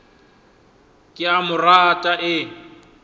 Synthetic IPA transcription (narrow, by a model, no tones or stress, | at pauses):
kʼɪamʊratʼaʔɪ